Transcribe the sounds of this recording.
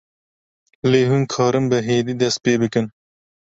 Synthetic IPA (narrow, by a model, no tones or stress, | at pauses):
leːɦunkʰɑːɾɨmbɨɦeːd̪iːd̪ɛst̪̚peːbɨkɨn